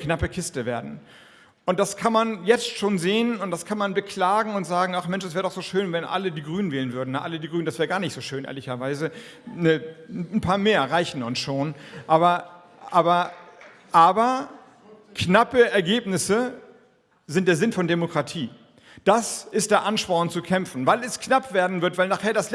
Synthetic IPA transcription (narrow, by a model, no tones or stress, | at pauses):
knapəkʰɪstəveːɐdn̩ | ʔʊnt̚d̥askʰanmanjɛt͡stʃoːnzeːənʊntd̥askʰanmanbəkʰl̥aːɡŋ̩ʊntz̥aːɡŋ̩aχmɛnʃd̥as̬vɛːʁədɔχxz̥oːʃøːnvɛnʔa̰lədiːɡʁyːnənveːlənvʏɐdn̩naʔalədiːɡʁyːn̩dasv̥ɛːəɡaːɐnɪçtz̥oːʃøːnʔḛːɐlɪçɐvaɪzənənpʰaːɐmeːɐʁaɪçn̩ʊnsʃoːnʔaːbɐ | ʔaːbɐ | ʔaːbɐ | knapəɛɐɡeːpnɪsə | zɪnt̚d̥eːɐzɪnfɔndemokʁ̥atʰiː | d̥asɪst̚d̥eːɐʔanʃpɔʁnt͡sukʰɛmfn̩vaɪlɛsknapv̥eːɐdn̩vɪɐtvaɪlnaːχeːɐdas